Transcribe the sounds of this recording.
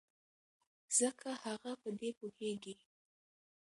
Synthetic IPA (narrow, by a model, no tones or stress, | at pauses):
z̥əkʰahaɣapəd̪epoheɡi